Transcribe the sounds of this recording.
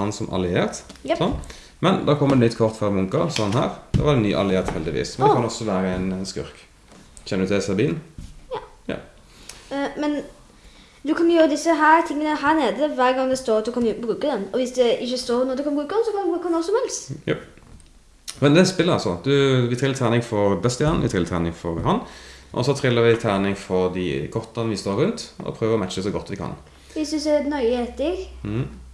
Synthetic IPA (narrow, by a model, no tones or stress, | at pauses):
ɑnsɔmʔɑ̰lɪeːɾt̪sɔn | mɛnd̪ɑkʰɔmːəɾɛt̪nʏt̪kʰɔʁt̪fœɾmʊŋkəʁsɔɑnɦæ̰ːʁd̪ɛ̰ʋɑɾɛnny̰ːʔɑ̰lɪeːɾt̪hɛld̪ɪʋḭːsmɛnɛkɑnɔsːɔʋæːɾəɛnɛnskʉ̰ɾk | çɛnəd̪ʉt̪ʰɪsɑbiːnː | jɑ̰ | mɛn | d̪ʉkʰɑnjøːɾəd̪ɪsːəɦæːɾt̪ʰɪŋːənəhæːneːd̪əʋæːɾɡɑŋd̪ɛst̪oːɾɑt̪̚d̪ʉkʰɑnʊbɾʉːkəd̪ɛnɔʋɪsd̪ɛɪçːəst̪oːɾnɔd̪ʉkʰɑnbɾʉːkənsɔkʰɑnd̪bʉːknɔsɔmɛlst̪j | mɛnd̪ɛt̪spɪlɑlsɔ̰d̪ʉʋɪt̪ʰɾɪlːət̪ʰæːnɪŋfɔɾd̪ɛst̪jɑːnʋɪt̪ʰɾɪlːət̪ʰæ̰ːnɪŋfɔɾhɑnʔɔ̰sɔt̪ʰɾɪlːəɾʋɪt̪ʰæːnɪŋfɔɾd̪ɪ̰kʰɔɾt̪ənʋɪst̪oːɾʉnt̪ɔ̰pʰɾøːʋəɾɔmæt̪t͡ʃːəsɔɡɔt̪ːʋɪkʰɑ̰n | ʋɪsɪsɛnœʏheːt̪ɪɡ